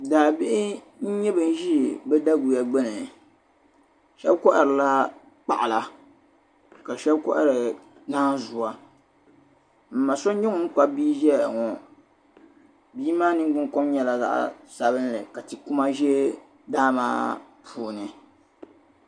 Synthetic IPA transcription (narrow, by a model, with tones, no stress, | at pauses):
daː˨bɪ˦ʔɪ˦ | n̩˦ɲɛ˦bɨ˨n˦ʒi˦˨bɛ˦da˦ɡu˨ja˨ɡ͡bɛ˦nɨ˨ | ʃɛ˦bkɔ˦ʔɾɨ˨la˦ | k͡pa˦˨ʔa˨la˦ | ka˨ʃɛ˦bkɔ̰˦ʔa˦˨ɾɨ˨ | naː˦zu˨a˨ | m̩˨ma˨so˦ɲɛ˦ŋɔ˦ŋ̩˦k͡pa˦biː˦ʒɛ˦˨a˨ŋɔ˨ | biː˦maː˦nɨ˦ɡ͡bɨ˦ŋkɔ˦mɲɛ˨la˦za̰˨ʔa̰˨sa˨βɨ˦n˦lɨ̰˨ka˨tɨ˨ku˦ma˦ʒɛ˦ | daː˦ma̰ː˦ | pʰuː˨nɨ˨